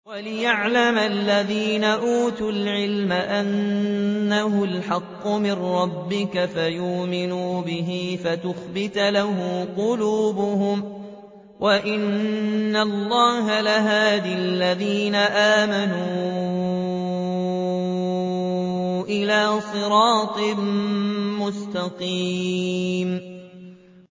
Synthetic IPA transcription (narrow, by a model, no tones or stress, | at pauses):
walɪjaʕlamalːaðiːnaʔuːt̪ʊlʕɪlmaʔanː | aɦʊlħɑqːʊmɪnɾɑbːɪkafajʊːmɪnuːbɪɦɪfat̪ʊxbɪt̪lahʊmqʊluːbʊhʊm | wʔaʔɪnːalˤːɑːɦalɪɦaːðalːaðiːnaʔaːmanuː | ʔɪlaːsˤɨɾɑːt̪ˤɨ | mʊst̪ɑqiː | m